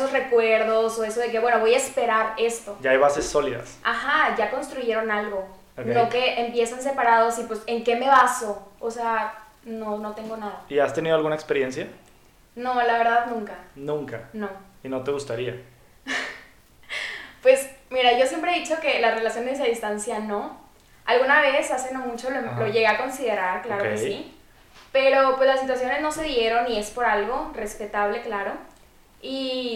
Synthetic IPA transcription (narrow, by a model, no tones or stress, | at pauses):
esosre̞kwe̞ɾðo̞so̞e̞so̞ð̞e̞k̬e̞βwe̞no̞βo̞jaespe̞ɾaɾe̞st̪o̞ɟ͡ʝaajβasesːo̞liða̰saxaʝako̞nst̪ɾuʝe̞ɾo̞nalɣo̞ | ano̞ke̞ʔempje̞sans̬e̞paɾað̞osipwe̞seŋke̞me̞βaso̞ose̞a | no̞no̞t̪e̞ŋɡo̞naðaiast̪eniðoalɣunaekspeɾje̞nsja | no̞laβe̞ɾðaðnũŋkanũŋkano̞ino̞t̪e̞ɣust̪aɾia | pwe̞smiɾaʝo̞sje̞mpɾeðit͡ʃo̞ke̞lare̞lasjo̞nezes̬aðist̪ansjano̞ | alɣunaβe̞sase̞nomut͡ʃolemloʝe̞ɣe̞ako̞nsiðe̞ɾaɾklaɾokkesi | pe̞ɾo̞pwe̞slasit̪wasjo̞ne̞zno̞se̞ðje̞ɾo̞nːie̞spo̞ɾalɣo̞re̞spe̞t̪aβ̞le̞klaɾo̞ | i